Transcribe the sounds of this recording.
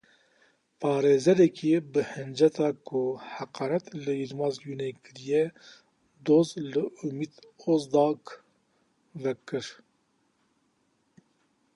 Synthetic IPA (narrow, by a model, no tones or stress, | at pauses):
pʰɑːɾeːzɛɾɛkʰibɨhɨnd͡ʒɛt̪ʰɑːkʰʊhaqɑːnɛt̪lɨjiɾmɑːzjuːnekɨɾijɛ | d̪oːzlɨumiːd̪ozd̪ɑːk | vɛkɨɾ